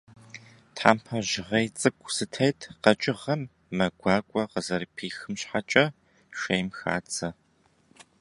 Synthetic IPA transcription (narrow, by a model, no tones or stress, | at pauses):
tʰħaːmpʰɐʒɪʁɐjt͡sʼɨkʷʰʼsɨtʰɐjtʰqɐt͡ʃʼɪʁɐmː | ɐɡʷaːkʷʼɔqəzɐɾpʰiːxɨmɕħat͡ʃʼɐ | ʃejmxa̰ːt͡sʰʼɐ